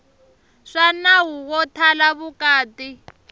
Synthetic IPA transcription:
ʂanaɦuwɔtʰalaβukaːti

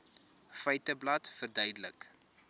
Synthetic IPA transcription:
fəjtəblɐtfərdœɥdələk

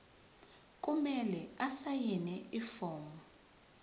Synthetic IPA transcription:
k̬ʼumɛlɛasajinɛifɔːŋɔ

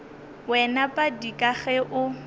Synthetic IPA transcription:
wɛnapʼadikʼaɣɛʔʊ

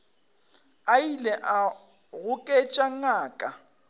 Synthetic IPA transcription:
ailɛʔa | ɣʊkʼet͡ʃʼaŋ̩aːkʼa

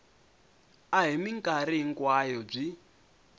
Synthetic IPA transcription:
aɦimiŋkʼaɾiŋ̩kwajɔb͡ʐi

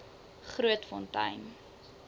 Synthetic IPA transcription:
χruətfɔntɐ̰jm

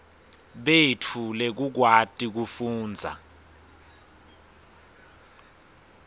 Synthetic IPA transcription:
ɓetʰulɛk̬uk̬watʼik̬ufuːnd͡zʱa̰

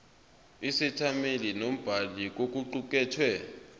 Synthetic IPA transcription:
isitʰamelinom̩b̥ʱalik̬ok̬ʼuǃuk̬ʼɛːtʰwɛ

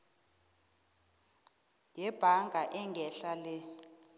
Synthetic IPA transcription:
jɛb̥ʱaŋʱaʔɛŋɡʱɛɬalɛ

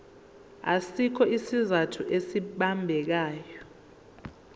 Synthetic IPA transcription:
a̰sikʰɔisizatʰuʔesiɓambʱɛk̬aːjɔ

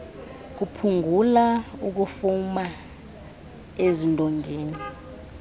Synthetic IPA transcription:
k̬upʰuŋɡʱulauk̬ufuma | ezintʼɔŋɡʱeːni

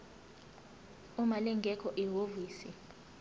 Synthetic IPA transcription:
umalɛŋɡʱɛkʰɔʔɛɦoviːsi

